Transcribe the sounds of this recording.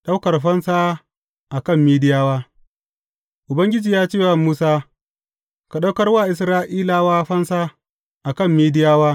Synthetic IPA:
ɗa˦wkɐ˨rɸɐ˦nsaː˦ | ʔa˨kɐ˦˨mːiː˦dɪ˦jaː˦waː˦ | ʔʊ˨bɐ˦ŋɡʲɪ˦d͡ʒiː˨jaː˦t͡ʃeː˦˨wa˨muː˦saː˦ | ka˨ɗa˦wkɐ˦rwaː˦˨ʔɪ˨s̬ɾaː˦ʔiː˦laː˨waː˦ɸɐ˦nsaː˦ | ʔa˨kɐ˦˨mːiː˦dɪ˦jaː˦waː˦

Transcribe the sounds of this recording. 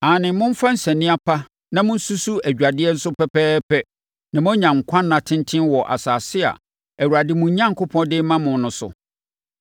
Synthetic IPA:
a˨nɪ̃˨˦mʊ̃˦m̩˦fã˦n̩˦sɛ̃˨nɪ̃˦a˦pʰa˦ | nã˨mʊ̃˦n̩˦su˦su˦æ˨d͡ʑᶣa˨dɪ˦ɛ˦n̩˦sʊ˦pʰɛ˦pɛː˦pʰɛ˦ | nã˨mʊ̃˦ɲã˨ŋ̩˨kʷʰã˦nːã˨tʰɪ̃˦n˦tʰɪ̃˦nwɔ˨ʔa̰˨saː˨sɪ˦a̰˨ | æ˨wu˨ɾa˨dɪ˦mʊ̃˨ɲ˦ɲã˦ŋkʰʊ˦pʰɔ̃˦ndɪ˦mã˦mʊ̃˨n˦nʊ̃˨˦sʊ̰˨

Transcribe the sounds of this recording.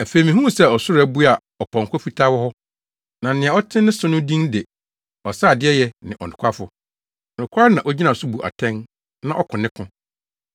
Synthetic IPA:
æ˨fe˨mĩ˨ɦũ˦˨sɛ˦˨ɔ˨sʊ˦ɾæ˦bu˦a˨ | ɔ˨pʰɔ̃˨ŋ̩˨kʰʷɔ˦fi˦tʰa˦wɔ˦hɔ˦ | nã˨˦nɪ̃˨ã˨ɔ˦tʰɪ̃˦nɪ̃˦sʊ˦nʊ̃˦dĩ˦ŋde˨ | ɔ˨saː˦˨dɪ˦ɛ˦jɛ˦nɪ̃˨ʔɔ̰˨nʊ̃˨kʷʰa˦fʊ˦˨ | ɔ˨nʊ̃˨kʷʰa˦nã˨ʔɔ˦d͡ʑi˦nã˨sʊ˦bu˨ʔa̰˨tʰɛ̃˦n | nã˦ʔɔ˦kʰʊ̃˨nɪ̃˦kʰʊ̃˨

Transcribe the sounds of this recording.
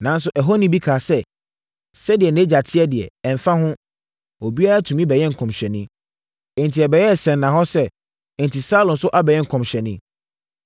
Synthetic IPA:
nã˨n˦sʊ˦ʔɛ˨ɦo˦nĩ˨bi˦kʰaː˨sɛ˦ | sɛ˦dɪ˨ɛ˨nẽ˦d͡ʑa˨tʰɪ˦ɛ˦dɪ˨ɛ̰˨ɛ˨m˨fã˦ɦʊ̃˦ | o˨bi˦a˦ɾa˦tʰũ˨mĩ˦bɛ˨jɛ̃˦ŋ̩˨kʰɔ̃˨mɕᶣɛ˨nɪ̃˦ | ɛ˨ntʰi˨ɛ˨bɛ˨jɛ˦˨sɛ̃˨nːã˨ɦɔ˦sɛ˦˨ | n˨tʰi˨sa˦lɔ̃˨nsʊ˦ʔa˦bɛ˨jɛ̃˦ŋ̩˨kʰɔ̃˨mɕᶣɛ˨nɪ̃˦

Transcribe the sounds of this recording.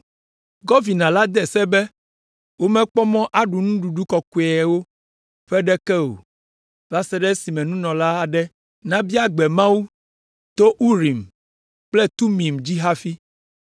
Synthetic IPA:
ɡɔ˦vi˨nã˨la˦d̪ɛ˨sɛ˦bɛ˦ | wo˦mɛ̃˦k͡pɔ˦mɔ̃˦ʔa˨ɖu˨nũ˦ɖu˨ɖu˦kɔ˨ku˨ɛ˨wo˦ | ɸɛ˦ɖɛ˦kɛ˦o̰˨ | va˦sɛ˦ɖɛ˦si˨mɛ̃˨nũ˦nɔ̃˨la˦a˨ɖɛ˦ | nã˦bi˦a˦ɡ͡bɛ˨mã˦wu˦ | t̪o˦ʔu˦ɾi˨m | k͡plɛ˦t̪u˦mĩ˨md͡ʑi˦ɦa˦fi˦

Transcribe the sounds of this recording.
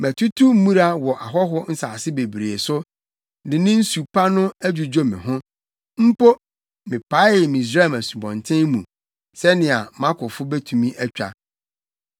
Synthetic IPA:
mæ˨tʰu˦tʰu˦m˦mũ˦ɾa˦wɔ˨ʔa˨ɦɔ˦ɦʊ˦n̩˦saː˨sɪ˦be˨bɾe˨e˨sʊ˦ | dɪ̃˨nɪ̃˦n̩˦su˨pʰa˦nʊ̃˦æ˦d͡ʑu˨d͡ʑo˦mɪ̰̃˨ɦʊ̃˦ | m̩˦po˦ | mɪ̃˨pʰa˨˦ɪ˦ɪ˨mĩ˨i˨s̬ɾa˦˨mæ˨su˨bɔ̃˨ntʰɪ̃˦nmũ˨ | sɛ˦nɪ̃˨a˨mã˦kʰʊ˨fʊ˦be˦tʰũ˨mĩ˦ʔæ˦t͡ɕᶣa̰˨

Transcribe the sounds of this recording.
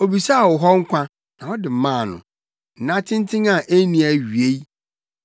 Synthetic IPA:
o˨bi˨sa˦˨wɔ˨ɦɔ˦ŋ̩˦kʷʰã˦ | nã˨ɔ˦dɪ˨m˨mãː˦˨nʊ̰̃˨ | n̩˨nã˦tʰɪ̃˦n˦tʰɪ̃˦ŋã˦˨ʔe˦nĩ˨a˨ɥi˨e˦i˦

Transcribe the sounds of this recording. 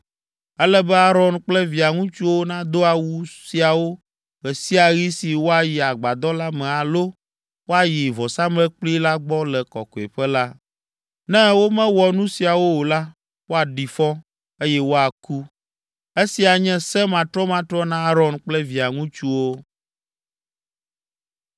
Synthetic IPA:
ɛ˦lɛ˦bɛ˦a˦ɾɔ˨nk͡plɛ˦vi˨a˨ŋũ˦t͡ʃu˦wo˦nã˦d̪o˦a˨wu˦si˨a˨wo˦ | ɣɛ˨si˦a˨ɣi˦si˨wo˦a˨ji˨a˨ɡ͡ba˨d̪ɔ˦la˦mɛ̃˨a˨lo˦ | wo˦a˨ji˨vɔ˨sa˦mlɛ˦k͡pli˦la˦ɡ͡bɔ˦lɛ˨kɔ̰˨kɔ˨ḛ˨ɸɛ˦la˦ | nɛ̃˦wo˦mɛ̃˦wɔ˨nũ˦si˨a˨wo˦wo˨la˦ | wo˦a˨ɖi˨fɔ˦ | e˦jɛ˦wo˦a˨ku˦ | e˦si˨a˨ɲɛ̃˦sɛ˦mã˨t̪ɾɔ˦mã˨t̪ɾɔ˦nã˦a˦ɾɔ˦nk͡plɛ˦vi˨a˨ŋũ˦t͡ʃu˦wo˦

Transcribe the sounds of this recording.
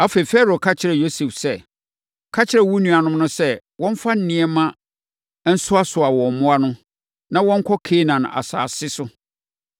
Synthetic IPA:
a˦fe˨fɛ˦ɾo˨kʰa˦t͡ɕʰɪ˨ɾɛ˨jo˦sɛ˨fsɛ˦˨ | kʰa˦t͡ɕʰɪ˦ɾɛ˨wu˦nũ˨a˨nʊ̃˦m˦nʊ̃˦sɛ˦ | wɔ̃˦m˦fa˦n̩˦nɪ̃˦ɛ˦mã˦ | n̩˦sʊ˦a˦sʊ˨a˨wɔ̃˨m˨mʊ̃˦a˦nʊ̃˦ | nã˦wɔ̃˦ŋ̩˦kʰɔ˦kʰe˦nã˨n˨a̰˨sa̰ː˨sɪ˦sʊ˦

